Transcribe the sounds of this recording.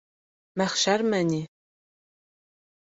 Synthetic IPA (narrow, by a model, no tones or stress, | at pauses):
mɐχʃarmɐnʲi